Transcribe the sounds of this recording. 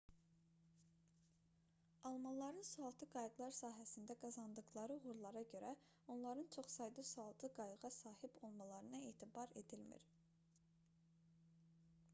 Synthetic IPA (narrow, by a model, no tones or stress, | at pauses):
ɑlˠmɑnlˠɑɾɯnsuɑlˠt̪ʰɯɡɑjɯɡlˠɑɾsɑːɦæsind̪æɡɑzɑnd̪ɯɣlˠɑɾɯuɣuɾlˠɑɾɑɟø̞ɾæ | o̞nlˠɑɾɯnt͡ʃʰo̞χsɑjd̪ɯsuɑlˠt̪ʰɯɡɑjɯɣɑsɑːhibo̞lˠmɑlˠɑɾɯnɑeːt̪ʰibɑɾe̞̰d̪ilmḭɾ